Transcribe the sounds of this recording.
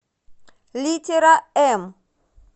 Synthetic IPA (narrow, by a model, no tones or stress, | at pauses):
litʰɛɾaɛm